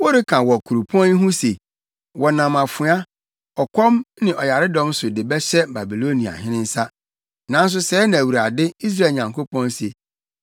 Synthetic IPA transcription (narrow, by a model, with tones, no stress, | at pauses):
wɔ˦ɾɪ˦kʰã˨wɔ˨kʰu˨ɾu˨pʰɔ̃˦ni˦ɦũ˦se˨ | wɔ˨nã˨ma˨fʊ˨˦a˦ | ɔ˨kʰʷɔ̃˦mnɪ̃˨ʔɔ˨ja˨ɾɪ˦dɔ̃˦msʊ˨dɪ˨bɛ˦ɕɛ˦ba˨bi˨lo˦nĩ˨a̰˨ɦɪ̃˦nɪ̃˦n̩˦sa˦ | nã˨˦n̩˦s̬ʊ˦sɛː˨˦nã˨æ˨wu˨ɾa˨dɪ˦i˦s̬ɾa˦˨ɲã˨ŋko˦pɔ̃˦nse˨